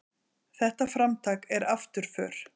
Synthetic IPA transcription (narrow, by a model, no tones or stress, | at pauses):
θɛht̪afɾamt̪ʰaːkɛɾaft̪ʏɾ̥fœ̰ːɾ̥